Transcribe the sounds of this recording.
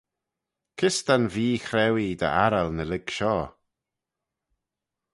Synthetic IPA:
kʰɪst̪anviːxɾɛwid̪ə̰aɾəlnəlɪɡ̥ʃɔː

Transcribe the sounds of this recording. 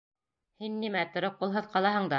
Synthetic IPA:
hinːimæt̪ŏɾɤp̚qulˠɦɤðqɑlˠɑɦɤɴd̪ɑ

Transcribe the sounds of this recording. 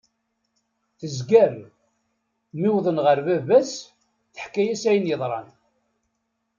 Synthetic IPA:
θəzɡæɾ | miwðˤənʁəɾvævæs | θə̥ħkːæjæsæjənjəðˤɾˤɑ̰n

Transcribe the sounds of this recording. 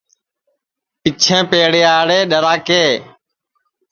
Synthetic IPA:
pɪt͡ʃʰẽːpeːɽeːaːɽeːɗəɾaːkeː

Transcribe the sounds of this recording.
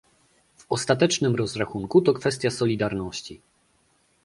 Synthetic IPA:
vɔst̪at̪ɛt͡ʂnɘmɾɔzɾaxuŋkut̪ɔkfɛst̪ʲjasɔlʲid̪aɾnɔɕt͡ɕi

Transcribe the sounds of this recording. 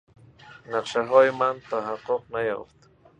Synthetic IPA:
naqʃaɦojmant̪aɦaqoq̚naja̰t̪

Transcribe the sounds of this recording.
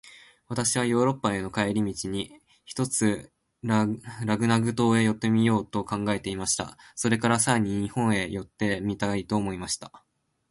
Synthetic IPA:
β̞at̪aɕiβajo̞ːɾo̞pːae̞no̞kaeɾʲimʲit͡ɕiɲ̟i | çi̥t̪o̞t͡sɨ | ɾaɡɯ̟naɡɯ̟t̪o̞ːe̞jo̞t̪ːe̞mʲijo̞ːt̪o̞kãŋɡae̞t̪e̞imaɕi̥t̪a̰so̞ɾe̞kaɾasaeɲ̟iɲ̟ihõ̞ɰ̃e̞jo̞t̪ːe̞mʲit̪ait̪o̞ːmo̞imaɕi̥t̪ḁ

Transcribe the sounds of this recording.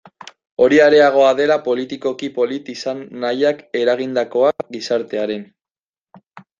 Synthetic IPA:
o̞ɾiaɾe̞aɣ̞o̞aðe̞lapo̞lit̪iko̞kipo̞lit̪isanːajake̞ɾaɣ̞ind̪ako̞aɡisaɾt̪e̞aɾe̞n

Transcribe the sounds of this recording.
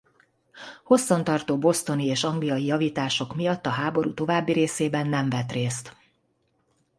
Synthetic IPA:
ho̞sːɒn̪t̪ɒrt̪oːbo̞st̪o̞nieːʃɒŋɡlijɒijɒviːt̪aːʃo̞kmijɒt̪ːɒɦaːbo̞ɾṵt̪o̞vaːbːiɾeːseːbɛnːɛɱvɛt̪reːst̪

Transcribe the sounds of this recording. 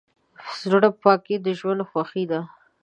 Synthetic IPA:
sɾəɽapɑked̪əʒwand̪xwaxid̪a

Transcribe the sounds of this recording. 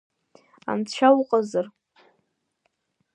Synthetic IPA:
a̰mt͡ɕʰʷawqʼazar

